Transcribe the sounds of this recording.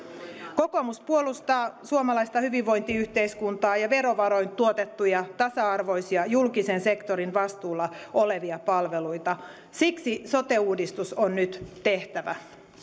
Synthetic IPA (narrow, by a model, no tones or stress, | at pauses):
ko̞ko̞muspuolust̪ɑːsuomɑlɑist̪ɑhyʋiʋːo̞jnt̪iyht̪eiskunt̪ɑːjɑʋe̞ɾoʋɑɾo̞jnt̪uot̪e̞t̪ːujɑt̪ɑsɑɑrʋo̞jsiɑjulkisense̞kt̪o̞ɾinʋɑst̪uːlːɑoleʋiɑpɑlʋe̞lujt̪ɑ | siksiso̞t̪e̞uːdist̪usonnyt̪t̪e̞ht̪æʋæ̰